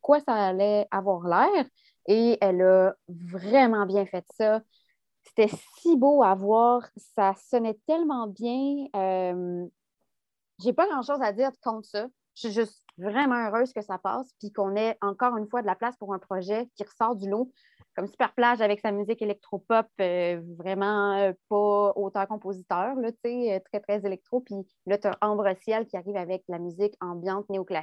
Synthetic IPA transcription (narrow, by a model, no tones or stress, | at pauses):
kwasaːlɛavwaːʁlɛːʁ | eɛlʌvʁɛmɑ̃bjɛ̃fɛt̪sʌ | se̥t̪ɛs | iboavwaːʁsasɔnɛt̪ɛlmɑ̃bjɛ̃øm | ʒepaɡʁɑ̃ʃozad̪iːʁkɔ̃t̪sʌ | ʒ̥ʒəsivʁɛmɑ̃øʁøːz̥kəsapɑ̰ːspikɔ̃nɛɑ̃kɔːʁynfwad̪əlaplaspuʁɛ̃pχɔʒɛkʲiʁəsɑːʁd̪ylo | kɔmsy̥pɛʁplaʒavɛksamyzɪkelɛk̚t̪χopɔpøvʁɛmɑ̃øpɔot̪ɛ̃kɔ̃pozit̪œːʁlɔt͡seøt̪χɛt̪χɛzelɛk̚t̪χopi | lʌt̪yɛ̃ʔɑ̃bʁəsjɛlkʲiaʁiːvavɛk̚lamyzɪkɑ̃bjɑ̃t̪neoklas